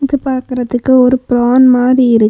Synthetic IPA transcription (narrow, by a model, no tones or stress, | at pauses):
ɪðɯpaːɾkɪɾɐt̪ːɯkːɯɔɾɯpɪɾoːnmaːðiɪɾɯkː